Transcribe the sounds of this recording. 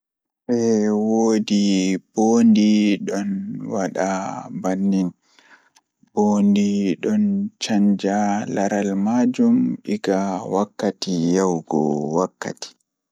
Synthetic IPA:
ɓɛwoːdiboːndiɗɔnwaɗabanːin | b̥oːndiɗɔnt͡ʃaɲd͡ʒalaɾalmad͡ʒumɗiɡawakːatijawɡɔ̰wakːa̰ti̥

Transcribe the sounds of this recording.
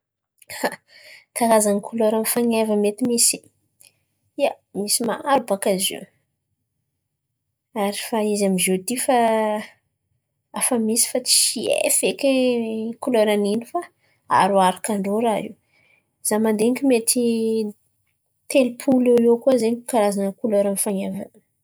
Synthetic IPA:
a | kaɾazanikʰulɔɾanfaŋavəmet̪imisi̥ | ia | misima̰aɾubakazḭ | aɾifaizamizod̪ifa | afəmisi̥fat͡si̥ʃiḛfekekulɔɾaninifa | a̰ɾuaɾakaɳɖ͡ʐoɾaḭw | z̥amand̪eŋkʲimet̪ʰi | t̪elipʰuleekuazeɲukaɾazanəkulɔɾanfaŋava̰n

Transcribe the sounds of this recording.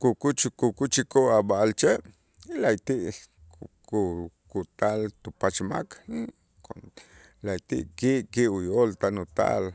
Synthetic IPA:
kukut͡ʃkukut͡ʃikoʔaɓaʔalt͡ʃeʔ | ilajt̪iʔ | ku | kut̪alt̪upat͡ʃma̰kʰ | ko | lajt̪ḭʔkiʔkiʔujolt̪anut̪a̰l

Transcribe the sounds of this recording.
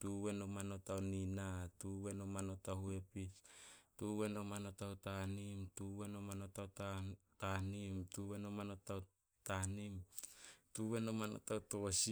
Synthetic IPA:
tuwenomanotawninatuwenomano̞tahuepistuwenomanotautanimtuwenomanotawtatanimtuwenomanotaw | tanimtuwenomano̰tawtosi

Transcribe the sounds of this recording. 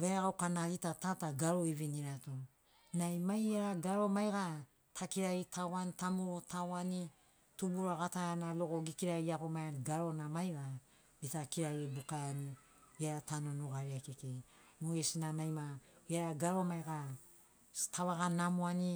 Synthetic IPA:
veaɡawkanaɾitatataɡaɾoiβiniɾato | najmajaɾaɡaɾo̞majɡa | tʰakiɾaitʰawanitamuɾotʰawani | tubuɾaɡataanaloɡo̞ɡikiɾaiako̞majanɡaɾo̞namajɡa | bitakiɾaibukaani | iaɾatanonuɡaɾiakekemoesinanajmaiaɾaɡaɾomajɡa | tʰaβaɡanamoani

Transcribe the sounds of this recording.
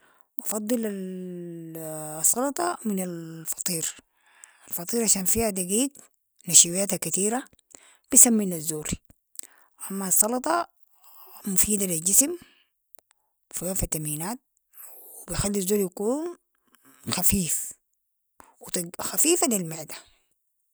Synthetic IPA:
wʔɑfɑd̪ˤːɨlal | sˤːɑlɑt̪ˤɑminalfɑ̥t̪ˤiːɾ | alfɑt̪ˤiːɾʕaʃaːnfiːhad̪aɡiːt̪ | naʃiwjaːt̪hakːat̪iːɾa | b̥isamːilazːoːɾi | ʔamːasˤːɑlɑt̪ˤɑ | mufiːd̪alild͡ʒism | fiafat̪ːamiːnaːt̪̚ | w | bijxalːiazːoːɾjakuːn | xafiːf | wt̪xafiːfalilmaʕd̪ḁ

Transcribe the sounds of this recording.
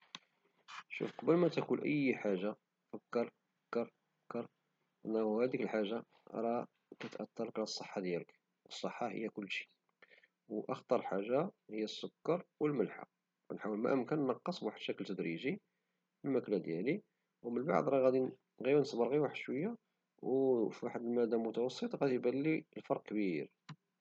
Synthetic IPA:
ʃṵfqɑbəlmæt̪ækunʔə̰jːħaʒːa | fəkːəɾˤ | fəkːəɾˤfəkːəɾˤ | ʔənːæhæd̪ikəlħaʒːa | ɾˤɑ | kæt̪ʔɑt̪ːɑləklasˤəħːɑd̪jælək | wəsˤːəħːɑhə̰jːækʊlːʃi̥ | wʔəxt̪ˤɑɾˤəlħaʒːahəjːæsːʊkːɑɾˤwəlməlħa̰ | nħawəlmæ̰ʔəmkænnɑqːəsˤwaħəd̪ʃækəlt̪ːəd̪ɾiʒi | wəlmæklæd̪jæli | wmənba̰ʕd̪ˤɾˤɑɣæd̪i | ɣijnsbəɾˤɣiwaħəd̪̥ʃwəjːa | wfwaħəd̪əlmæd̪ːamʊt̪ɑwɑsˤːət̪ˤɣæd̪ibælːilfɑɾˤq̚kəbiɾ

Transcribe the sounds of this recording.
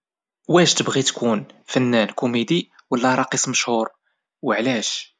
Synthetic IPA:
wæʃt̪əbʁit̪kunfənːænkumed̪iwəlːæɾˤɑqisˤməʃhʊɾ | wəʕlæʃ

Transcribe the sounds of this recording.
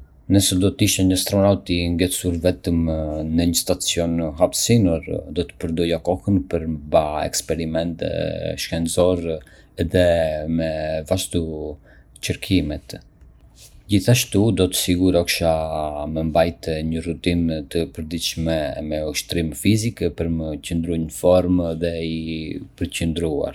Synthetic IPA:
nəsɛd̪ɔt̪əiʃɛɲəst̪ɾɔnawt̪iŋɡɛsuɾvɛt̪əmnəɲəst̪at͡sijɔnɦapsinuɾd̪ɔt̪ə̥pəɾd̪ɔjakɔhənpəɾmbaɛ̰kspɛɾimɛnt̪ʃkɛnzɔɾ | ɛðɛmɛvaʒt̪u | t͡ʃəɾkʰimɛt̪ | d͡ʑiθaʃt̪ud̪ɔt̪ə̥siɡuɾɔkʃaməmbajt̪ɲərut̪int̪əpəɾd̪it͡ʃʃmɛmɛuʃt̪ɾimfizikɛpəɾməcənd̪ɾujnəfɔɾmðɛipəɾcənd̪ɾua̰ɾ

